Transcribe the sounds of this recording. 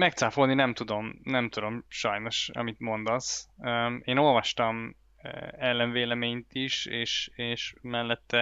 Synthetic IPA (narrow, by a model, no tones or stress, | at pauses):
mɛk̚t̪saːfolninɛmt̪ud̪o̞mnɛmt̪ud̪o̞mʃɒjno̞ʃɒ̰mit̪mo̞nd̪ɒsøeːno̞lvɒʃt̪ɒm̰ | ɛlːɛɱveːlɛmeːɲt̪iʃeːʃeːʃmɛlːɛt̪ːɛ